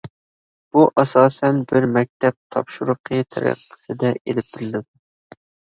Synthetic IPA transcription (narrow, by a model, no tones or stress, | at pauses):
b̥uʔɑsɑːsɛnbɪɾmɛk̚ʲt̪ʰɛp̚t̪ʰɑpʃuɾʊqʰət̪ʰæ̰ɾæ̰qːə̥sɨd̪ɛʔelɪp̚bɪɾɪlɪd̪u